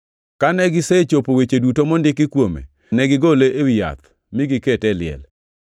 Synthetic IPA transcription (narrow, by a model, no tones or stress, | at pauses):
kanɛɡɪset͡ʃopowet͡ʃedutomɔndɪkɪkwomḛ | nɛɡɪɡoleʔewɪja̰t̪ | mɪɡɪketɛlɪɛ̰l